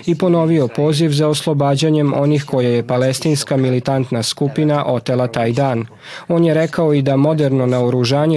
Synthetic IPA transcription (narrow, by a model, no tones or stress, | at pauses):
ipo̞no̞ʋio̞poːziʋzaoslˠo̞baːd͡ʑaɲe̞mo̞nixko̞jaje̞palest̪iːnskamilit̪ant̪naskupinaʔo̞t̪elˠat̪aːjd̪aːn | o̞ːnjeɾe̞kaoid̪amo̞d̪eɾno̞naoɾuʒaːɲe